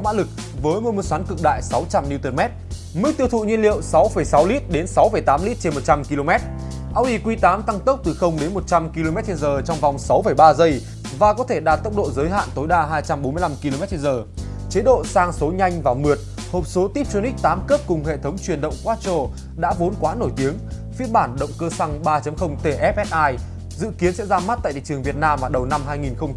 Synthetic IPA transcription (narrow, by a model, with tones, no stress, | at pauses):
maː˧˥lɨ˨˩k̚ | vəː˨˦jmo˧nmu˧˩swaː˨˦nkɨ˨˩k̚ɗa̰ː˧˨jsa˨˦wt͡ɕa˧mni˧wt̪əː˧˩nmɛ˦˥t̚ | mɨ˦˥k̚t̪i˧əwt̪ʰṵ˧˨ɲi˧nlḭ˧˨əwsa˨˦wfə˧˩jsa˨˦wli˦˥t̚ɗe˨˦nsa˨˦wfəː˧˩jt̪aː˨˦mli˦˥t̚t͡ɕe˧nmo˨˩t̚t͡ɕa˧mki˧lo˧mɛ˦˥t̚ | ʔaː˧wʔi˧˩kwi˧t̪aː˨˦mt̪a˧ŋt̪ə˦˥wk͡p̚t̪ɨ˨˩xə˧wŋ͡mɗe˨˦nmo˨˩t̚t͡ɕa˧mki˧lo˧mɛ˦˥t̚t͡ɕe˧nzəː˨˩t͡ɕɔ˧wŋ͡mva˨˩wŋ͡msa˨˦wfə˧˩jɓaː˧zə˧j | vaː˨˩kɔ˨˦t̪ʰe˧˩ɗaː˨˩t̚t̪ə˦˥k͡p̚ɗo̰˧˨zəː˨˦jɦa̰ː˧˨nt̪o˨˦jɗaː˧ɦaː˧jt͡ɕa˧mɓo˨˦nmɨ˧əjla˧mki˧lo˧mɛ˦˥t̚t͡ɕe˧nzəː˨˩ | t͡ɕe˨˦ɗo̰˧˨saː˧ŋso˨˦ɲa˧jŋ̟vaː˨˩wmɨ˨˩ət̚ | hoː˨˩p̚so˨˦t̪i˦˥p̚t͡ɕo˧ni˦˥k̚t̪aː˨˦mkəː˦˥p̚kʊ˨˩ŋ͡mhḛ˧˨t̪ʰə˨˦wŋ͡mt͡ɕwi˨˩ənɗə̰˧˨wŋ͡mkwaː˦˥t̚t͡ɕo˧ | ɗa̰ː˧˥vo˨˦nkwaː˨˦no˧˩jt̪i˨˦əŋ | fi˦˥ət̚ɓaː˧˩nɗə̰˧˨wŋ͡mkəː˧sa˧ŋɓaː˧t͡ɕə˨˦mxə˧wŋ͡mt̪e˧˩ʔɛ˦˥p̚ʔɛ˦˥t̚ʔaː˧j | zɨ̰˧˨ki˨˦ənsɛ̰˧˥zaː˧ma˦˥t̚t̪a̰ː˧˨jt̪ʰḭ˨˩t͡ɕɨ˨˩əŋvi˨˩ət̚naː˧mvaː˨˩ɗə˨˩wna˧mɦaː˧jŋi˨˩nxə˧ŋ͡m